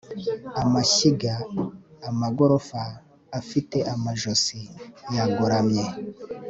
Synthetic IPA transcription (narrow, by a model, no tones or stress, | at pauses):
amaʃiɡaː | maɡoɾofaː | fiteʔamaʒosijaɡoɾamɲe